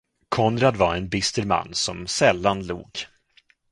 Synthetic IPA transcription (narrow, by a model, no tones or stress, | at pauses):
kʰɔnɾad̪vaɾɛnbɪst̪əɾma̰nːsɔmsɛlːanlṵːɡ